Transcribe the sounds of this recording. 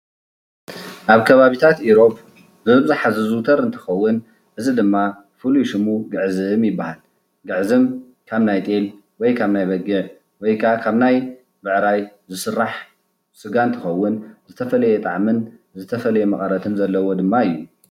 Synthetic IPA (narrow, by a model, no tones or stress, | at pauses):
ʔaβkʰɐβaβit̪ʰat̪iɾo̞p | bɨɨbɨzaħazɨzut̪ʰɐɾɨnt̪ʰɨ̥xɐwːʊn | ʔɨzid̪ɨmːa | fɨluʃɨmuɡɨʕzɨɨmjɪbːahal | ɡɨʕzɨm | kʰaβnajt̪ʼel | wɔjkʰaβnajβɐɡɨʕ | wɔjkʰakʰaβnaj | bɨʕɾajzɨsɨrːaħ | sɨɡant̪ʰɨxɐwːʊnzɨt̪ʰɐfɐlɐjɛt̪ʼaʕmɨnzɨt̪ʰɐfɐlɐjemɐχʼɐɾɐt̪ʰɨnzɐlːɐwo̞d̪ɨmːaɨjːu